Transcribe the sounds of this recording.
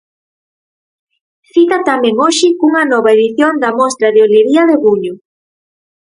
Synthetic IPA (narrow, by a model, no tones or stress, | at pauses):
θit̪ɐt̪amɛ̃ŋoʃɪuŋɐnɔβaeðiθjond̪ɐmɔst̪ɾɐðeoleɾiɐðeɣuɲo